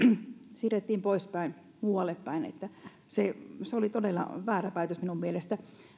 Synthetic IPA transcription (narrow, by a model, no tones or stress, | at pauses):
siret̪ːiːmpoispæin | muːɑlːˑepːæinḛt̪ːæ | seseolit̪odelːɑ̰ʋæːræpæit̪øsminummielest̪æ